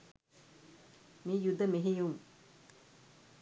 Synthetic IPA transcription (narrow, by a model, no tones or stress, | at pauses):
miːjud̪ʱːɐmeɦijum